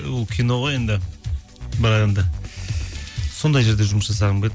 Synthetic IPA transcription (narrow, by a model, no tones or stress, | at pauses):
wolˠkʲʰijno̞ʁojend̪ɪ | bɪɾɑdɑnd̪ɑ | so̞nd̪ɑjʒe̞ɾd̪e̞ʒʊməsʒɑsɑʁəɴbel